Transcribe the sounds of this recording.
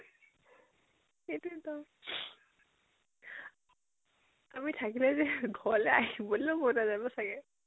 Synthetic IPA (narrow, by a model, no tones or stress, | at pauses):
etutɔ | amitʰakilɛzɛɡʱɔɹlɛaɦibɔlokɔnazabɔsaɡɛ